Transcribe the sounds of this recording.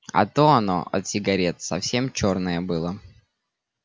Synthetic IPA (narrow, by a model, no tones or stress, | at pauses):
ɐ̰t̪oɐno̞̰ʔɐ̰t̪sʲɪɡɐɾʲet̪sɐfsʲe̞mt͡ɕornəjəbɨlˠə